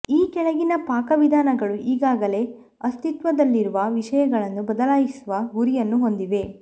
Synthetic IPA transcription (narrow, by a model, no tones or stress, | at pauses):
iːkɛɭɐɡinɐpaːkɐʋid̪ʱaːnɐɡɐɭuʔiːɡaːɡɐle̞ | ɐst̪it̪ʋɐd̪ɐlːiɾuʋɐʋiʃɐjɐɡɐɭɐnːubɐd̪ɐlaːjisuʋɐɦuɾijɐnːuɦo̞nd̪iʋe̞